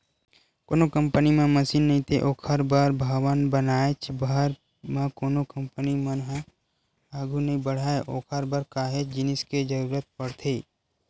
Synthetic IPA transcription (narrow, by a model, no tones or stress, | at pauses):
koːnokə̃mpənimẽməsiːnːɐɦĩt̪ʰeʔoːkʰəɾbəɾbʱəwənbənaːet͡ʃʰbəɦɾ | mãkoːnokə̃mpənimənɦɛ̃ | aːɡʱunɐɦĩbəɽ̤aːeʔoːkʰəɾbəɾkaːɦet͡ʃd͡ʒɪnɪsked͡ʒəɾuːɾət̪̚pəɽt̪ʰeː